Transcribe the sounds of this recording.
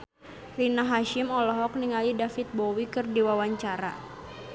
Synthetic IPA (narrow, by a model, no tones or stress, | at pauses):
rinaɦaʃimɔlɔɦɔk̚niŋalidafit̪̚bɔwikɨrdiwawaɲt͡ʃaɾa̰